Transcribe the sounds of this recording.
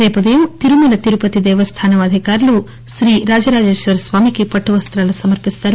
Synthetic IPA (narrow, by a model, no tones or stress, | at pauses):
eːpɐd̪ejut̪iɾumulɐt̪iɾupɐt̪id̪ɛːʋɐst̪ʰaːnɐʋɐːd̪ʱikaːɾɐlu | ʃɾiːɾaːd͡ʒɐɾaːd͡ʒeːʃʋɐɾsʋaːmikepɐʈːuʋɐst̪ɾɐlɐsɐmɐɾpist̪ɐːɾ